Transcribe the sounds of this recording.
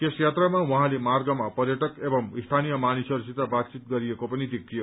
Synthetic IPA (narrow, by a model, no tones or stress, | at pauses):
kesjat̪ramawuɦãlemarɡʌmapʌɾjʌʈʌkebʌmist̪ʰanijʌmanisʌɾusit̪abat̪̚t͡sit̪̚ɡʌɾijekopʌnid̪ek̚t̪ʰijo